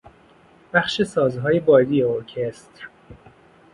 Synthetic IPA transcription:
b̥æχʃe̞sɒːzɦɒːjebɒːd̪ijeoɾcʰest̪ɾ

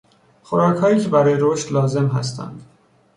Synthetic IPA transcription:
xoɾɒːcʰhɒːiːcʰe̞bæɾɒːjeɾoʃt̪lɒːze̞mɦæ̰st̪ʰæ̰nd̪̥

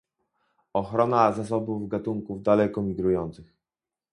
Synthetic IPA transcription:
ɔxɾɔnazas̬ɔbuvɡat̪uŋkuvd̪alɛkɔmʲiɡɾujɔnt̪sɘx

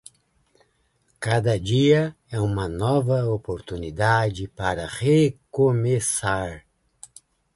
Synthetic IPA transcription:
kad̪ɐd͡ʒiɐ | ɛũmɐnɔvɐopoɾt̪unid̪ad͡ʒɪpaɾɐʁekomesaɾ

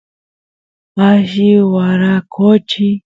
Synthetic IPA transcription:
aʃiwaɾakʰot͡ʃi

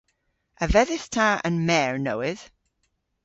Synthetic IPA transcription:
əvɛðɪθtʰaə̰̃nmɛːɹnowɪð̥

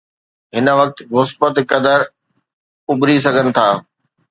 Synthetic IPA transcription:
ɦɪnə̆ʋɐk̚t̪mʊsbət̪kɐd̪əɾ | ʊbɾis̬ɐɡʱənɪ̆t̪ʰaː

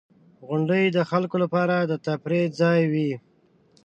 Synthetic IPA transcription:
ɣʊɳɖəjd̪əxalkolapɑɾad̪ət̪apɾezɑjwi

